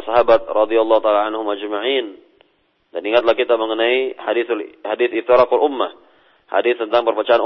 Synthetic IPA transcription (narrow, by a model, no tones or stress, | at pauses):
saɦabat̪̚rɑd̪ialːɑhut̪alaʕanhʊmad͡ʒmaʕin | daniŋat̪̚lahkit̪aməŋənaihadiθhadiθift̪iɾɑkalʔumːah | ha̰dɪθt̪ənt̪aŋpərbat͡ʃaan